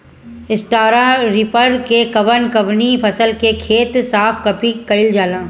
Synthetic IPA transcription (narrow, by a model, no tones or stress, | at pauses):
ɪsʈaːɾaɾɪpəɾkekɐʋənkɐʋnipʰɐsəlkekʰeːt̪saːfkɐpikɐɪld͡ʒaːlãː